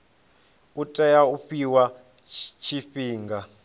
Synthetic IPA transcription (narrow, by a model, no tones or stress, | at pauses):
utʼɛjauɸiwa | t͡ʃʰifiːŋɡa